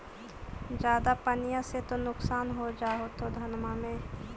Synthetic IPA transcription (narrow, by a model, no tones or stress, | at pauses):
d͡ʒjaːd̪apɐnɪjaset̪onʊksaːnɦod͡ʒaːɦot̪od̪ʱɐnmamẽ